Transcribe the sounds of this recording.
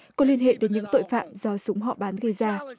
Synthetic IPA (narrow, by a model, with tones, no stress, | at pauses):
kɔ˨˦li˧ənɦḛ˧˨ɗe˨˦nɲɨ̰˧˥ŋt̪o̰˧˨jfa̰ː˧˨mzɔ˧sʊ˨˦ŋ͡mɦɔ̰˧˨ɓaː˨˦nɣə˧˩jzaː˧